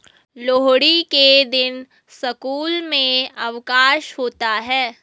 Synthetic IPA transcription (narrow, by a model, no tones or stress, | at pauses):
loːɦɽiked̪ɪn | sɐkuːlmẽɐʋkaːʃɦoːt̪aɦɛː